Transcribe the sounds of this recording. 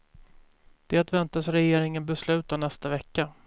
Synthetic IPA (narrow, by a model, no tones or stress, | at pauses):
d̪̥ɛat̪vɛnt̪asɾɛjeːɾɪŋənbɛslʉ̟ːt̪anɛst̪avɛkːa